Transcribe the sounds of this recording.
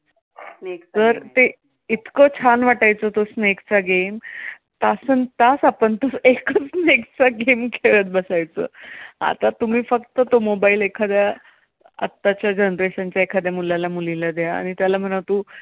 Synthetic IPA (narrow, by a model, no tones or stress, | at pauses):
sneksəɾt̪e | it̪kət͡ɕʰanʋaʈajt͡sət̪osnekt͡saɡem | t̪asənt̪asapəɳt̪osekʰət͡snekt͡saɡemkʰeɭət̪̚bəsajt͡sə̰ːa̰t̪at̪um̤iːfəkt̪ət̪omobaiːlekʰad̪ja | a̰t̪ːat͡ɕjad͡ʑənɾɾeɕant͡ɕjaekʰad̪jamulalamulilad̪jaa̰ɽ̃it̪jalam̤əñaʋt̪u